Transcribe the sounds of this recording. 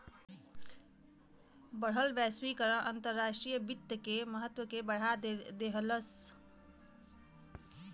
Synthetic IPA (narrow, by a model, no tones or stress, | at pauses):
bəɽ̤ɦəlʋɛːswikəɾə̃ʔə̃nt̪əɾːaːʃʈɾijəbɪt̪ːəkeməɦət̪wəkebəɽ̤ad̪eɦələs